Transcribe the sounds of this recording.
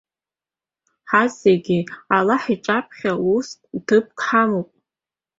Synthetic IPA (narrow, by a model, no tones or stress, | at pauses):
ħazeɡʲialaħiʈ͡ʂʷʼapʰχʲaustʼtʰɨp̚kʰħamowpʼ